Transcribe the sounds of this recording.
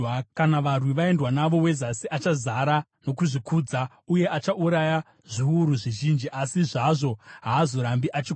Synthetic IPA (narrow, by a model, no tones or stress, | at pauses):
kanaʋarwiʋae̞ndwanaʋo̞we̞zasiʔat͡ʃazaɾa | no̞kuʐikuːd͡za | uje̞ʔat͡ʃaʔuɾaja | ʐ̥iwuɾuʐiʒind͡ʒiʔasiʐaʐo̞ɦaːzo̞ɾambiʔat͡ʃi